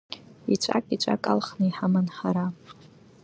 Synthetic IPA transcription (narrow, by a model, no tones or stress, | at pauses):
it͡ʃʷʰʼa̰kʼit͡ʃʷʼa̰kʼa̰lχnɨiħamanħaɾa